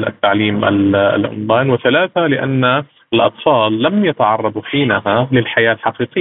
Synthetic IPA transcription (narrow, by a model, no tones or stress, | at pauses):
lʔa̰t̪ːaʕliːmʔa̰l̰lʕʊ̰nd̪ˤaːnwɪθalaːθalɪʔa̰nːa | ʔɪlʔɑ̰t̪ˤfɑːlːamjat̪aʕɑrˤːɑd̪ˤħiːnaɦalɪlħajaːlħɑqiːqɪːa